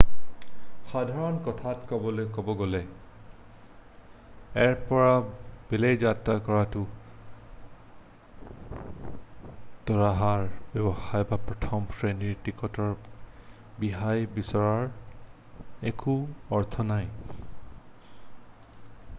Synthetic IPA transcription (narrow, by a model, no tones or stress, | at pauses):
xadʱaɹɔnkɔtʰatkɔbɔlojkɔbɔɡolɛ | ɛɹpɔɹab̥elejzatɹakɔɹatʊ | tɔɹaɦaɹbjɔbɔxajbapɹɔtʰɔmfʰɹeniɹtikɔtɔɹ | biɦajbisɔɹaɹ | ekuɔɹt̪ʰɔnaj